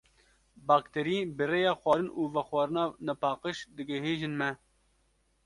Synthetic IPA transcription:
bɑːkt̪ɛɾiːbɨreːjɑːxwʷɑːɾɨnʔuːvɛxwɑːɾɨnɑːnɛpɑːqəʃd̪ɨɡɛɦeːʒɨnmɛ

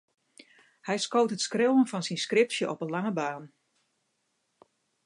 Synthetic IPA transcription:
hɛjskoːtɦətskrɪwənfɑnsinskrɪpsjəʔɔpənlaŋəbaːn

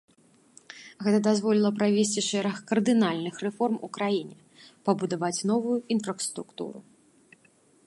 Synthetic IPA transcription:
ɣɛt̪ɐd̪azvɔlʲilˠɐpɾavʲesʲt͡sʲiʂɛɾɐxkɐrd̪ɨnalʲnɨxɾɛfɔrmṵkɾajinʲɛ | pɐbud̪avat͡sʲnɔvujuinfɾɐst̪ɾukt̪ṵɾṵ

